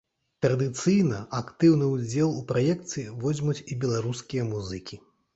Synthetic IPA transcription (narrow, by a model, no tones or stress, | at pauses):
t̪ɾɐd̪ɨt̪sɨjnɐakt̪ɨwnɨud͡zʲɛlˠupɾajɛkt̪sɨjivɔzʲmut͡sʲibʲɛlˠaɾuskʲijɐmuzɨkʲi